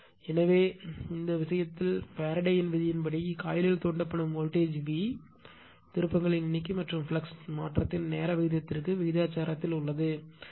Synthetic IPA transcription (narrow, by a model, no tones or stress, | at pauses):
ɛnɐʋeːɪnd̪ɐʋɪʂɐjɐt̪ːɪlpaːɾɐɽɐjɪnʋɪðɪjɪnpɐɽikaːjɪlɪlt̪oːɳɖɐpːɐɳɯmoːlʈeːd͡ʒʋi | t̪ɪɾɯpːɐŋɡɐɭɪnnːɪk̬ːɯmɐʈrɯmfɪlɐksmaːʈrɐt̪ːɪnneːɾɐʋɪɣɪðjɐt̪ːɪɾɯkːɯʋɪɣɪðjaːt͡ʃːaːɾɐt̪ːɪlʊɭːɐðɯ